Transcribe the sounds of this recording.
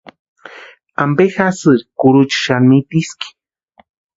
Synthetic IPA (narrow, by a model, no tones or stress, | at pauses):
ambexasɨɾikʊɾut͡ʃḁʃanmit̪iski̥